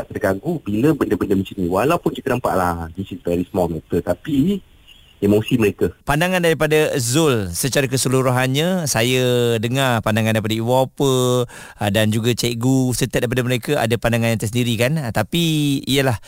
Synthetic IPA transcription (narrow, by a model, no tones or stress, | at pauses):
t̪ədəɡaɡubiləbəndəbəndəmə̃t͡ʃinĩwalawpunt͡ʃik̪ənəmpa̰ʔlahdisisvɛɾismɔlmɛt̪ət̪api | emosiməɾekəpandaŋandaɾipadazʊlsət͡ʃaɾak̬əsəluɾuɦanɲə̃sajədəŋarpandaŋãndaɾipadaiwapə | dand͡ʒuɡat͡ʃɛʔɡusət̪at̪̚daip̬adaməɾekaa̰dapandaŋanjãŋt̪əsəndiɾikant̪apiijəlah